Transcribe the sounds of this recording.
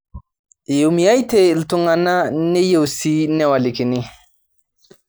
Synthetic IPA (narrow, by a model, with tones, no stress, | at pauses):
jo˨mi˨ja˦jte˦i˨ltu˦ŋa˨na˦ne˦je˦˨wsi˦nɛ˦wa˨li˨ki˨ni˦